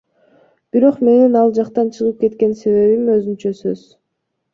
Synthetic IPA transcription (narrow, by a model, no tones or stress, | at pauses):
b̥iɾo̞qme̞ninɑlˠd͡ʒɑqt̪ɑnt͡ʃʰɯʁɯp̚ke̞t̪ke̞nse̞βe̞βimøzynt͡ʃøsøz̥